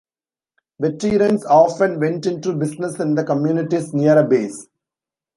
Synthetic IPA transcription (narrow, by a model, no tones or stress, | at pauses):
beʈːiːɾə̃nsɔːfə̃nʋẽɳʈɪ̃ɳʈubɪsnəsɪ̃nd̪əkə̃mjuːnɪʈisniəɾəbeːs